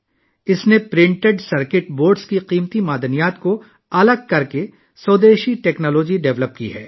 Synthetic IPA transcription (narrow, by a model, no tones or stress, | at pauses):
ɪsnepɾɪ̃ɳʈeɖsɐɾkɪʈboːɾɖskiqiːmt̪imaːd̪ənijaːt̪ko | ɐləɡ̚kɐɾke | soːd̪eːʃiʈɛːknɔːloːd͡ʒiɖɛʋləp̚kḭɦɛː